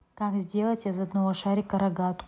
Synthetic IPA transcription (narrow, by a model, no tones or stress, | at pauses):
kakzʲdʲe̞lˠətʲɪzɐd̪nɐvoʂaɾʲɪkɐɾɐɡat̪